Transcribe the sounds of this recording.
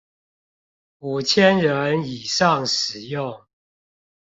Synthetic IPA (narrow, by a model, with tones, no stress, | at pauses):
u˨˩t͡ɕʰjɛ˦nɻə˨˦ni˨˩ʂɑ˥˨ŋʂɻ̩˨˩jʊ˥˨ŋ